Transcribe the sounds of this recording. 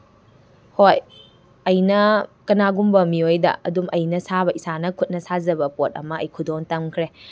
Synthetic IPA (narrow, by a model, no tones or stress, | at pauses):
hoj | ɐjnɐkɐnaɡumbɐmiojdɐ̰ʔɐ̰dumʔɐjnɐsaβɐisanɐkʰut̚nɐsazɐbɐpot̚ɐ̰mɐʔːjkʰudoŋtɐmkʰɾe